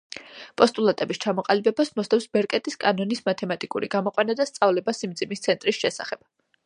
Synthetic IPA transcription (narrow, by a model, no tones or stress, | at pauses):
pʼɔst̪ʼulˠat̪ʼɛbist͡ʃʰamɔqʼalibɛbasmɔst̪ʰʼɛfsbɛɾkʼɛt̪ʼiskʼanɔnismat̪ʰɛmat̪ʼikʼuɾiɡamɔqʼwanad̪ast̪sʼavlɛbasimd̪zimist̪sʰɛnt̪ʼɾisʃɛsa̰χɛb̥̚